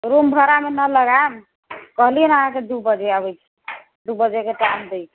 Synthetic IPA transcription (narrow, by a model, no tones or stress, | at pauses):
ɾumbʱəɾamenələɡan | kəɦliənəɦãked̪ubəd͡ʒeabɛjt͡ʃʰɛ̥ | d̪ubəd͡ʒekeʈand̪ejt͡ʃʰ